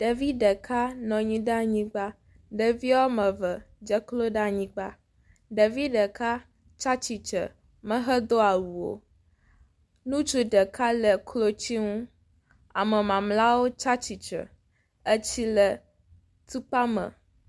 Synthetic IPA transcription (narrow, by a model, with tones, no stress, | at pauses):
ɖ̥a˨vi˦ɖə˨kʰa˦nɔ̃˨ɲĩ˦ɖa˦ɲĩ˦ɡ͡ba˦ | ɖə˨vi˦a˦wo˦mə̃˨və˨ | d͡ʒə˦klo˦ɖa˦ɲĩ˦ɡ͡ba˦ | ɖə˨vi˦ɖə˨ka˦ | t͡ʃa˦t͡ɕi˨t͡ʃə̰˨ | mə̃˦ɦə˦d̪o˦a˨wu˨wo̰˨ | nũ˦t͡ʃu˦ɖə˨ka˦lə˨kʰlo˦t͡ɕi˦ŋũ˦ | a̰˨mə˨mã˨mla˦wo˦t͡ʃa˦t͡ɕi˨t͡ʃə̰˨ | ə˦t͡ɕi˦lə˨ | t̪u˦k͡pa˦mə̰̃˨